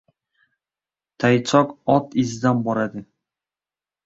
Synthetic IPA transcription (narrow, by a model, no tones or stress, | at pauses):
t̪ʰajt͡ʃʰɒkɒt̪ɪzɪd̪anbɒɾad̪ɪ